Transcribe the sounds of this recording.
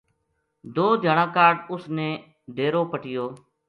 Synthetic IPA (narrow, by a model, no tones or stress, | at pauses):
d̪oːd̪ʱəɳãːkaːɖʊsnẽː | ɖ̪ʱeːɾoːpəʈɪjoː